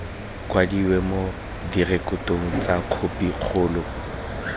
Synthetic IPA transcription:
kʼwadiwɛmo | direkʼʊtʼoŋ̩t͡sʼakʰopiq͡χʰʊːlɔ

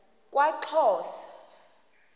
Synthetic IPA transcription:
kʼwaǃʰɔːsḁ

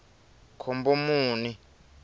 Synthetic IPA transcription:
kʰombomuːni

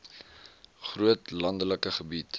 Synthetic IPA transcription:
χruətlɐndələkəχəbit

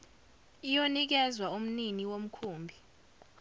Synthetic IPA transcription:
ijonik̬ɛzwaum̩niniwom̩kʰuːmbʱi

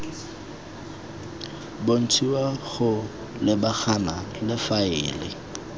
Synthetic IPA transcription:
bon̩t͡sʰiwaɣʊ | lɪbaχʰanalɪfaɪːlɪ̰

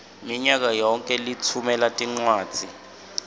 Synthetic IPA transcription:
miɲak̬ajɔŋkʼɛlit͡sʰumɛlatʼiŋ͡ǀwaːd̥d͡z̥z̥ʱi

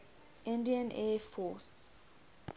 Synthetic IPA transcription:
ĩndiãnʔɛfɔs

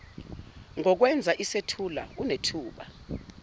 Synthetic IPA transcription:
ŋɔk̬wɛnd͡zʱaʔisetʰula̰unetʰuːɓa̰

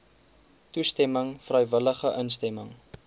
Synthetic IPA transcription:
tustɛməŋfrəjvələχəʔənstɛməŋ

